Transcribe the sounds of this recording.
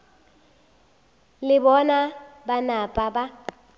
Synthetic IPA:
lɪbɔnabanapʼaba

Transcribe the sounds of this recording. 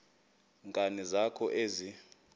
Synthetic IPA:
ŋkʼanizakʰɔʔezi

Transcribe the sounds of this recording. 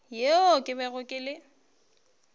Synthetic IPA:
jeokʼɪbɛɣʊkʼɪlɪ

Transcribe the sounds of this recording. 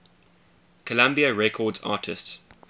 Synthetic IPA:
kʰəlãmbiəɹɛkʰɔːdzɑ̰ːˑtʰɪsts

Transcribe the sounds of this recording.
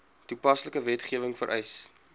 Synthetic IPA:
tupɐsləkəvɛtχiəvəŋfə̰ɾʔɛjs

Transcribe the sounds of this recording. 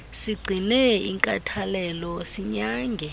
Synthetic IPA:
siɡ͡ǀʱinɛḭŋkʼa̰tʰalɛlɔsiɲaːŋɡʱɛ

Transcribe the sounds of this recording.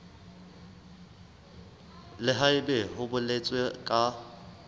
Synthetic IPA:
lɪɦaɪbɛɦʊbʊlet͡sʼwekʼa

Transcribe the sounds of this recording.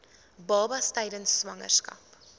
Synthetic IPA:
bɑːbɐstɛjdənsːvɐŋə̰rskɐ̰p

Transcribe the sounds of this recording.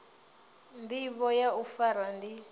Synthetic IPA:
ndiβɔjaufaɾandi

